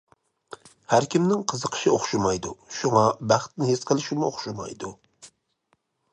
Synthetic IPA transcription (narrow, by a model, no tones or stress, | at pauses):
hæɾkʲʰimnɪŋqʰəzəqʰə̥ʃɪoχʃumɑjd̪uʃuŋɑbæχt̪nɪhesqʰəlˠɪʃumʊoχʃumɑ̰jd̪u